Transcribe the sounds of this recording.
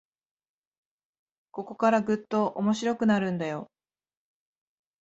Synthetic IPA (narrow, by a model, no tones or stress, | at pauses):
ko̞ko̞kaɾaɡɯ̟t̪ːo̞ʔomo̞ɕiɾo̞kɯ̟naɾɯ̟̃nd̪ajo̞